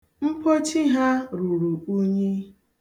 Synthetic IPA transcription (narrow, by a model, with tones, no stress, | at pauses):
m̩˦po˦t͡ʃi˦ɦa˦ɾu˨ɾu˨u˦ɲe˦